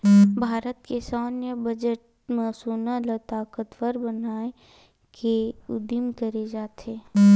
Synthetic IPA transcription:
bʱaːɾət̪kesaːnjəbɐd͡ʒəʈ̚ | mɐːsuːnalət̪aːkət̪ʋəɾbənaːe | keʊd̪ɪmkəɾed͡ʒaːt̪ʰeː

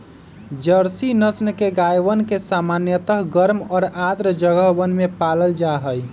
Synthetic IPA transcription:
d͡ʒəɾsinəsnkeɡajʋənkesamanjət̪əɦɡəɾmɔːɾad̪ɾəd͡ʒəɡəɦwənmepaləld͡ʒaɦəj

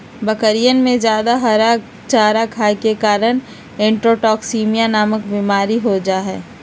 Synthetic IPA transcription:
bəkəɾijənmẽd͡ʒjaːd̪aɦɐɾa | t͡ʃaːɾakʰaːjkekaːɾən | ẽːɳʈɾoːʈɔːksiːmijanaːməkbiːmaːɾiɦod͡ʒaːɦɛː

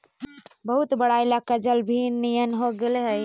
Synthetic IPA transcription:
bəɦut̪bəɽajlakəd͡ʒəlbʱinnːijənɦoɡeleɦəj

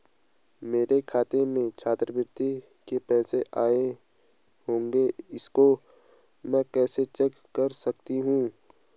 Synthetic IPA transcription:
meːɾekʰaːt̪emẽt͡ʃʰaːt̪ɾəbɪɾt̪i | kepɛːseʔaːe | ɦõːŋɡeɪsko | mɛ̃kɛːset͡ʃɛkːɐɾsɐkt̪iɦũː

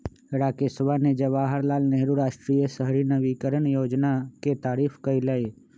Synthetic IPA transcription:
ɪɾaːkɪsʋaned͡ʒəʋaːɦəɾlaːlneɦɾuɾaːʃʈɾijəsəɦɾinəʋikəɾəɳjoːd͡ʒnaket̪aːɾiːfʰkəilae

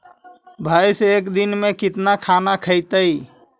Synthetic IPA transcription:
bʱajsekd̪inmẽkɪt̪nakʰanakʰəɪt̪əj

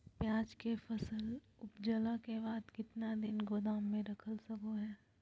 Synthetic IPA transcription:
pjaːd͡ʒkefʰɐsəl | ʊpd͡ʒəlakebaːd̪kɪt̪nad̪ɪnɡoːd̪aːmːẽɾɐkʰəlsɐkoɦɛː

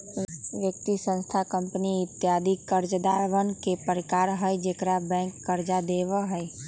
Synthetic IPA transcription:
ʋjək̚t̪isə̃nst̪ʰakə̃mpəniɪt̪ːjaːd̪ʱikəɾd͡ʒd̪aːɾʋənkepəɾɪkaːɾɦəjd͡ʒeːkɾabɛ̃ːŋkːəɾd͡ʒad̪eːʋəɦɛɛ

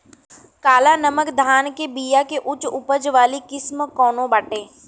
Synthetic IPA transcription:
kaːlanəməkd̪ʱaːnkebiːjakeʔʊt͡ʃʊpəd͡ʒʋaːlikɪsmkɔːnõbaʈeː

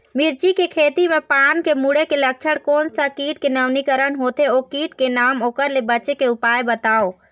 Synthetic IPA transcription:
miɾt͡ʃikekʰeːt̪imẽpaːnkemuɽekelək̚t͡ʃʰəɽkoːnsakiːʈ̚kenəʋnikəɾənɦoːt̪eoːkiːʈkenaːmoːkəɾlebəːt͡ʃekeʊpaːjbət̪aːo

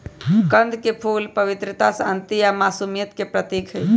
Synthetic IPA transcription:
kənd̪ʱkepʰulpəʋit̪ɾət̪asənt̪iamasumijət̪kepɾət̪ikʰəj

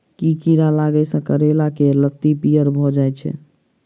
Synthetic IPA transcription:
kikiɾalaɡɛsə̃kəɾelakeləkt̪ipijəɾbʱɔd͡ʒajt͡ʃʰɛ̰

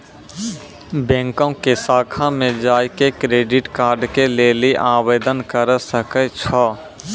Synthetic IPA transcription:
bɛ̃ːŋkõkesaːkʰamẽd͡ʒaːikekɾeːɖɪʈkaːɾɖkeleːliʔaːweːd̪ənkəɾsəkət͡ʃʰɔː

